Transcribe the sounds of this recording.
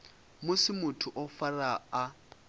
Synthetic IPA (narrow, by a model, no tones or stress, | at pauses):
mʊsɪmʊtʰʊʔɔfaraa